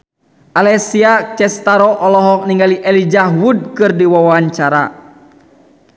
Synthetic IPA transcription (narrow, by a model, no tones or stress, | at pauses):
ʔalɛsiat͡ʃɛst̪aɾɔʔɔlɔɦɔk̚niŋɡaliʔɛlid͡ʒaɦwud̚kɨrdiwawaɲt͡ʃaɾa̰